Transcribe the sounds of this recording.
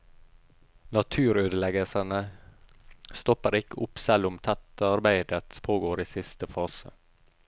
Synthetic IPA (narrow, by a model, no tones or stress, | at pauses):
nɑt̪ʰʉːɾøːd̪əlɛɡəsənə | st̪ɔpəɾɪkəʔʊpsɛlːʊmt̪ʰæt̪əɑɾbæɪd̪ət̪pʰoːɡoːɾiːsɪst̪əfɑːsə̰